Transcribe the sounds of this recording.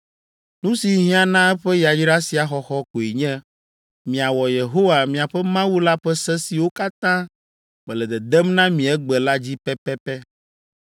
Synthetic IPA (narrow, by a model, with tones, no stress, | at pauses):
nũ˦si˨ɦĩ˦a˨nã˦ɛ˦ɸɛ˦ja˨d͡ʑi˦ɖa˦si˨a˨xɔ˨xɔ˦ko˨i˨ɲɛ̃˦ | mĩ˨a˨wɔ˨je˨ɦo˦wa˨mĩ˨a˨ɸɛ˦mã˦wu˦la˦ɸɛ˦sɛ˦si˨wo˦ka˦t̪ã˦ | mɛ̃˨lɛ˨d̪ɛ˨d̪ɛ˦mnã˦mĩ˨ɛ˦ɡ͡bɛ˨la˦d͡ʑi˦pɛ˦pɛ˦pɛ˦